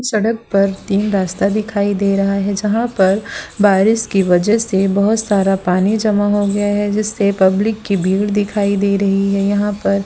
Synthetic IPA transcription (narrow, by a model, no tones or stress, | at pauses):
sɐɽək̚pɐɾt̪iːnɾaːst̪ad̪ɪkʰaːid̪eːɾɐɦaɦɛd͡ʒɐɦãpɐɾbaːɾɪskiʋɐd͡ʒɛɦsebɐɦʊt̪saːɾapaːnid͡ʒɐmaɦoɡɐjaɦɛd͡ʒɪsːepɐblɪkːibʱiːɽd̪ɪkʰaːid̪eːɾɐɦiɦɛjɐɦãpɐɾ